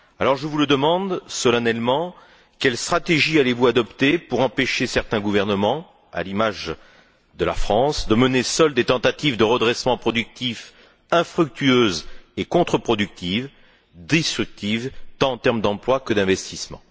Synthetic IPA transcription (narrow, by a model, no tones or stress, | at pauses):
alɔʁʒəvuləd̪əmɑ̃d̪sɔlanɛlmɑ̃ | kʲɛlst̪χat̪eʒialevuad̪ɔpt̪epuʁɑ̃peʃesɛʁt̪ɛ̃ɡuvɛʁnəmɑ̃ | a̰limaʒ | d̪əlafχɑ̃sd̪əmənesœld̪et̪ɑ̃t̪at̪ivd̪əʁəd̪ʁɛsmɑ̃pχɔd̪yk̚t̪if | ɛ̃fχyk̚t̪yøzekɔ̃t̪χəpχɔd̪yk̚t̪iv | d̪est̪χyk̚t̪ivt̪ɑ̃ːt̪ɛʁmd̪ɑ̃plwakəd̪ɛ̃vɛst̪ismɑ̰̃